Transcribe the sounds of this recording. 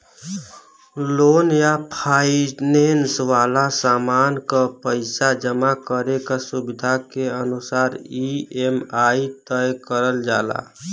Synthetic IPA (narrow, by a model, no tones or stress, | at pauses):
loːnjapʰaːineːnsʋaːlasaːmaːnkapəɪsad͡ʒəmakəɾekasʊbɪd̪ʱakeənʊsaːɾiemaːit̪əjkəɾəld͡ʒaːla̰ː